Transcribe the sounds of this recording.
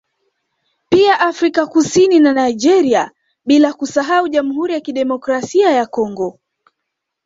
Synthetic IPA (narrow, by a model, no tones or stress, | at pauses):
piaʔafɾikakusininanaiʄɛɾia | ɓilakusaɦauʄam̩ɦuɾijakiɗɛmɔkɾasiajakɔŋɡɔ